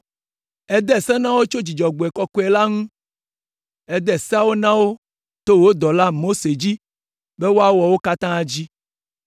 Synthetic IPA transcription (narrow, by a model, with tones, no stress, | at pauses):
ɛ˦d̪ɛ˦˨sɛ̃˦nã˦wo˦t͡ʃo˦d͡ʑi˨d͡ʒɔ˨ɡ͡bo˨ɛ˨kɔ˦kɔ˦e˨la˦ŋũ˦ | ɛ˦d̪ɛ˨sa˦wo˦nã˦wo˦ | t̪o˦wo˦d̪ɔ˨la˦mo˦se˨d͡ʑi˦ | be˦wo˦a˦wɔ˨wo˦ka˦t̪ã˦d͡ʑi˦